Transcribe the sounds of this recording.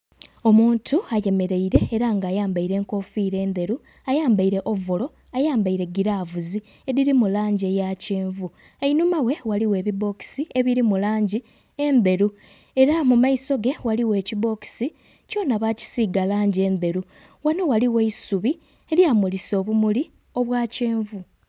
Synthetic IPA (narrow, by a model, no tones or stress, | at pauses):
o̞muːntʰuaje̞me̞ɾe̞iɾe̞ːɾaŋɡaːjaːmbaiɾe̞ːŋko̞fiːɾe̞ːnd̪e̞ɾu | ajaːmbaiɾe̞ʔovolo̞ | ajaːmbaiɾe̞ɡiɾavuzi | e̞ɾiɾimulaːɲɟie̞jaceːɱvu | einumawe̞waliwe̞ːβiβo̞ki̥sie̞βiɾimulaːɲɟi | e̞nd̪e̞ɾu | e̞ɾamumaiso̞ɡe̞waliwe̞ːciβo̞ki̥si | co̞naβaci̥siɡalaːɲɟe̞ːnd̪e̞ɾu | wano̞waliwe̞isuβi | eljaːmuliso̞ːβumuli | o̞βwaːce̞ːɱvu